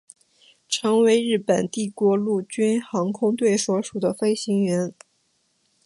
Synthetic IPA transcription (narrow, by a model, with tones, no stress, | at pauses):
ʈ͡ʂʰɤ˧˥ŋwe˧˥ɪɻɻ̩˥˩pə˨˩nt̪i˥˩kwɔ˧˥lu˥˩t͡ɕy˥nxɑ˧˥ŋkʰʊ˥ŋt̪we˥˩ɪswɔ˧˥ʂu˨˩d̪ə˦fe˥ɪɕi˧˥ŋɥɛ˧˥n